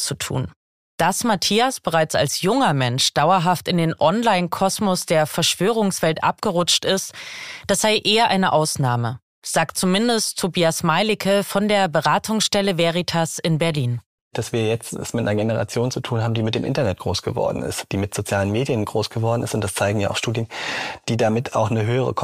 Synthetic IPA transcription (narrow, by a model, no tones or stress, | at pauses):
t͡sutʰṵːn | d̥asmatʰiːasb̥əʁaɪt͡sa̰lsjʊŋɐmɛnʃd̥aʊɐɦaftɪndeːnʔɔnlaɪnkʰɔsmɔsd̥eːɐfɛɐʃv̥øːʁ̞ʊŋsv̥ɛltʔa̰p̚ɡ̥əʁʊt͡ʃtɪstd̥asz̥aɪʔeːɐʔaɪnəʔaʊsnaːmə | z̥aːk̚t̚t͡sumɪndəsttʰobiːasmaɪlɪkʰəfɔndeːɐbəʁaːtʰʊŋsʃtɛləvɛʁitʰasɪnbɛɐliːn | d̥asv̥iːɐjɛt͡stɛ̰smɪtanɐɡenəʁa̰t͡sjoːnt͡sutʰuːnhaːbm̩diːmɪtd̥eːmʔɪ̰ntɐnɛt̚ɡ̥ʁoːsɡ̥əvɔ̰ɐdn̩ɪ̰std̥iːmɪtz̥ot͡sjaːlənmeːdjənɡʁoːsɡ̥əvɔɐdn̩ɪstʊntd̥ast͡saɪɡŋ̩ja̰ʔaʊʃtuːdjənd̥iːdamɪtʰa̰ʊxnəɦøːəʁ̞ə̰kʰ